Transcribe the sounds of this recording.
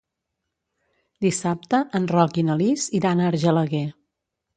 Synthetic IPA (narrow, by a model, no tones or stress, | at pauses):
d̪isap̚t̪əʔənrɔkinəliziɾanəɾʒələɣe